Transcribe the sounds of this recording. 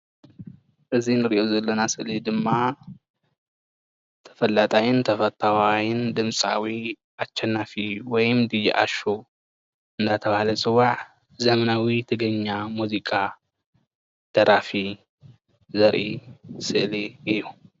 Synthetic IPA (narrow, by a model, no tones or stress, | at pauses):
ʔɨzinɨɾiʔozɐlːɐnasɨʔlid̪ɨmːa | t̪ʰɐ̥fɐlːat̪ʼajɪnt̪ʰɐfɐt̪ʼʰawajɪnd̪ɨmsʼa̰wi | ʔat͡ʃːɛnːafiwɔjɨmd̪ɨjḭʔa̰ʃo | ɨnd̪at̪ʰɐβahalɐt͡sʼɨwaʕ | zɐmɐnawit̪ʰɨɡɐɲːamuzikʼa | d̪̥ɐɾafi | zɐɾʔisɨʔliɨjːu